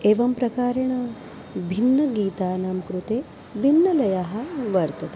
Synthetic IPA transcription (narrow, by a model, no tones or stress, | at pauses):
eːʋɐmpɾɐkaːɾɐɳɐ | bʱinːɐɡiːt̪aːnaːmkɾut̪eː | bʱinːɐlɐjaːɦɐ̆ʋɐɾt̪ɐt̪e